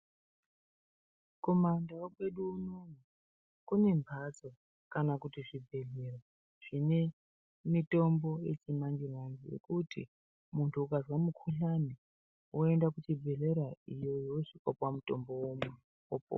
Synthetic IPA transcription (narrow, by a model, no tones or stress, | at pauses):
ko̞mandaakwe̞ɗuːnoni | kune̞mbʱat͡so | kanakutiʐibʱe̞ɮera | ʐ̥ine | mito̞mbo̞je̞̰t͡ʃimaŋɡimand͡ʒijḛkutḭ | muntʰuːkazwamukʰuɬani | woendakut͡ʃibʱe̞ɮe̞ɾaijo̞jooʂikwapwamuto̞mbo̞womu | opo̰